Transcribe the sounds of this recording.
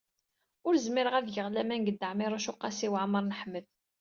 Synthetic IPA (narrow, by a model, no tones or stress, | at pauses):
ʊɾzmɪɾəʁæðʝəʁlæmænɡəd̪ːəʕmɪɾˤaʃʊqːɑsiwʕməɾˤnəħməð